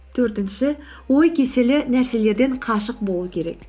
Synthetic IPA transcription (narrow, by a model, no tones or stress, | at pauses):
t̪ʰɵɾt̪ɪnʃɪ | wo̞jkʲʰe̞se̞lɪnæɾse̞le̞ɾd̪e̞ɴqʰɑʃəq̚bo̞lˠuəkʲʰe̞ɾe̞̰k̚